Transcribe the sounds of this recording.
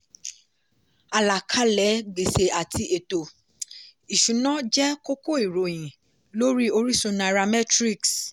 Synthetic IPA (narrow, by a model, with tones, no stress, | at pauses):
a˨la˨kʰa˦lɛ˨˦ɡ͡be˨se˨a˨tʰi˧ʔe˨to˨ | i˨ʃũ˨nã˨˦d͡ʒɛ˦ko˦ko˦i˨ɾo˨j̃ĩ˨ | lo˦ɾi˦o˧ɾi˦sõ˧na˧˨ɾa˧mɛ˦tɾi˦˨ks